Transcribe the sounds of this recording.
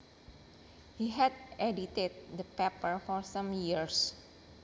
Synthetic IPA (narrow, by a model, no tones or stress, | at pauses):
hiɦɛdʔɛdit̪et̪̚d̪əpɛpəɹfɔɹsãmjiɹs